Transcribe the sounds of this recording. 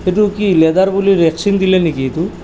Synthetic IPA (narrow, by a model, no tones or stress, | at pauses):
eʈ̪ukiled̪aɾbuliɾeksiŋd̪ilenikit̪u